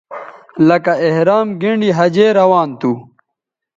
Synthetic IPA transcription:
lɐkaehɾaːmɡiɳɖiɦɐd͡ʑeːɾɐwaːnt̪uː

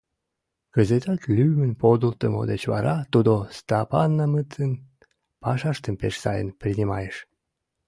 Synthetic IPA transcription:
kəzet̪ɑt̪lʲymənpod̪ult̪əmo̰d̪et͡ɕβɑ̰ɾɑt̪ud̪ost̪ɑpɑnːɑmət̪ən | pɑʃɑʃt̪əmpeʃsɑjə̰nprʲinʲimɑ̰jeʃ

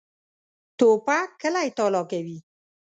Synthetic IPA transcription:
t̪opakəlajt̪ɔlɔːkawi

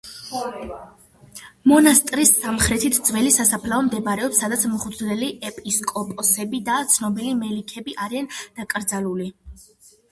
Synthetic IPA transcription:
mɔnast̪ʼɾisːamχɾɛt̪ʰit̪ʰd̪z̥wɛlisasapʰlaɔmd̪ɛbaɾɛɔpsːad̪at̪sʰmʁud̪zlɛliʔɛpʼiskʼɔpʼɔsɛbid̪at̪sʰnɔbilimɛlikʰɛbiʔaɾiand̪̥akʼɾd̪zaluli

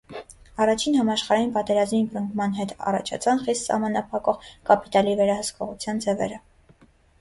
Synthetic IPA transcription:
ɑrɑt͡ʃʰinhɑmɑʃχɑɾɑjinpɑt̪ɛɾɑzminbɾəŋkʰmɑnɦɛt̪ɑ̰rɑ̰t͡ʃʰɑ̰t͡sʰɑnχist̪sɑ̰hmɑnɑpʰɑkɔʁkɑpi̥t̪ɑlivɛɾɑhəskɔʁut͡sʰjɑnd͡zɛvɛ̰ɾə

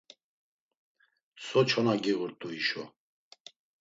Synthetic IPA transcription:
sʰɔt͡ʃʰɔnaɡiʁuɾt̪ʼuiʃɔ

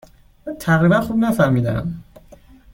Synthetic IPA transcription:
mɯnt̪ʰakɾibanxub̚nafamid̪a̰

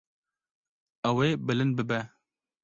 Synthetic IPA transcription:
ɛweːbɨlɨnd̪̚bɨbɛ

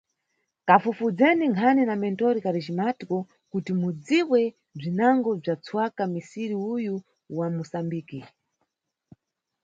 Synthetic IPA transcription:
kafufud͡zɛniŋkʰaninamɛntɔɾikaɾid͡ʒimatikɔ | kutimud͡ziwɛ | b͡ʐinaŋɡɔb͡ʐat͡sʰwakamisiɾiuju | wamusambiːki

